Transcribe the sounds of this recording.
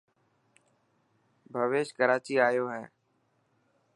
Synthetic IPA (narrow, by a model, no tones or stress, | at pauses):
bʱəʋeːʃkəɾaːt͡ʃiːaːjoːɦɛː